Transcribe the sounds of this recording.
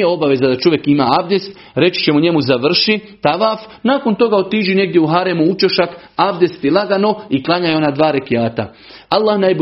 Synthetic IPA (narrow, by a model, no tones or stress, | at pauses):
jeo̞baʋe̞zad̪at͡ʃo̞ʋje̞kima̰abd̪est̪ | ɾe̞t͡ʃi̥t͡ɕe̞muɲe̞muzaʋr̩ʃit̪aʋaːf | naːko̞nt̪o̞ɡaot̪iːʒine̞ɡ̚d̪jeuɦaɾemuut͡ʃoʃak | abd̪e̞st̪jelˠaɡano̞iklˠaɲajeonad̪ʋaːɾekijaːt̪a̰ | alˠːaːhnajb